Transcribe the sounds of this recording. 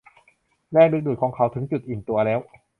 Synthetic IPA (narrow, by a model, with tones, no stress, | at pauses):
lɛː˥˩k̚be˨˧t̪̚du˨˩kʰɔː˩˦ŋkʰa˦˥wt̪ʰɯ˩˦ŋt͡ɕu˨˩t̪̚ʔiː˨˩nt̪u˧ɐlɛː˦˥w